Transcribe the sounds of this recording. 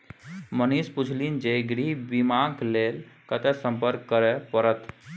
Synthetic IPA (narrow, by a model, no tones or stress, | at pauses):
mənisput͡ʃʰlind͡ʒeɡɾibimãklelkət̪ɛsə̃mpəɾkːəɾɛpəɾət̪